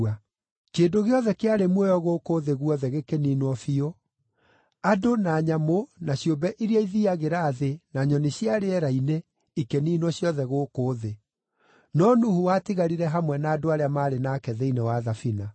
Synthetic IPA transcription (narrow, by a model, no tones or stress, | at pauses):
a | keːdoɣeɔðɛkeaɾemwɛjɔɣoːkoːðeɣuɔðɛɣekeniːnwɔfio | adonaːɲamonaɕjombɛʔiɾiaiðiaɣeɾaːðenaɲɔneɕjaɾeɛɾaine | ikeniːnwɔɕjɔðɛɣoːkoːðe | nɔnuhuwatiɣaɾiɾɛɦamwɛnaːdoaɾeamaːɾenaːkɛðɛinewaðafina